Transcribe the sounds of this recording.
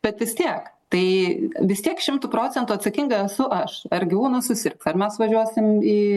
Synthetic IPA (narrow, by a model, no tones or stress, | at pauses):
b̥ʲɛt̪ʋʲɪst̪ʲiɛkt̪ɐɪʋʲɪst̪ʲiɛkʃʲɪmt̪upɾoːt͡sʲɛnt̪ʊːɐt̪sɐkʲiŋɡɐɛsʊʔɐʃɐrɡʲɪʋuːnɐsʊsʲɪrksɐrmʲɛsʋɐʒʲuɔsʲɪmiː